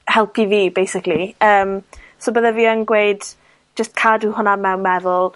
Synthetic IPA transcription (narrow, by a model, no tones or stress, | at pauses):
hɛlˠpiviːbejsɪkliəːm | sobəðaviːənɡwejd̥ | d͡ʒəst̚kʰaduɦʊnamɛwnmɛðʊlˠ